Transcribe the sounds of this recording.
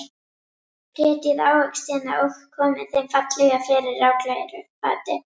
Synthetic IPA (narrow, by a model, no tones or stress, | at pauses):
pʰɾɛːt̪ɪðaːwhœkst̪ɛːna̰ʔowxkʰːɔːmɪ̥θejmfat̪lɛɣafɛːɾɪrːaːwklaːjɛɾʏpa̰ːt̪ɪ